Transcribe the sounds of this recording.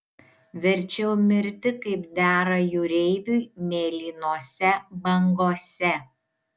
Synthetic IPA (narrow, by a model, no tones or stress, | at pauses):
ʋʲɛɾʲt͡ʃʲɛʊmʲɪɾʲt̪ʲɪkɐɪpd̪ʲæːɾɐjʊɾʲɛɪʋʲʊmʲeːlʲiːnoːsʲɛbɐŋɡoːsʲɛ